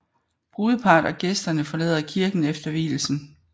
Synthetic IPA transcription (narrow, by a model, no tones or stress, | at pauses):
b̥ʁuːðˠəpʰɑ̈ːd̥ɒ̽ɡ̥esd̥ɐnəfɒ̽lɛ̰ð̰ˠɐkʰiɐɡ̥n̩efd̥ɐʋḭːl̩sn̩